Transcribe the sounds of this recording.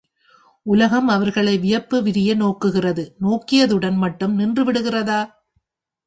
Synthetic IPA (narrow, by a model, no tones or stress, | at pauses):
ʔʊlɐɣɐmɐʋɐɾɣɐɭɐɪʋɪjɐpːɯʋɪɾɪjɐnoːkːɯɣɪrɐðɯnoːkːɪjɐðɯɽɐnmɐʈːɯmnɪndrɯʋɪɽɯɣɪrɐðaː